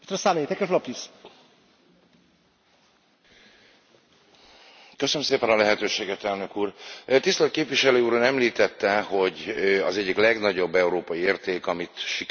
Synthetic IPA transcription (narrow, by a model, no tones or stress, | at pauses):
est̪ɔsalejt̪ɛkɛflɒpjis | køsønəmseːpɛnɒlɛɦɛt̪øːʃeːɡɛt̪ɛlnø̞kuːrt̪ist̪ɛt̪̚keːpʋiʃɛløːuːɾunɛmliːt̪ɛt̪ːɛho̞ɟɒ̰zɛɟːiklɛɡnɒɟo̞bːɛuɾoːpɒjieːrt̪eːkɒmit̪ʃik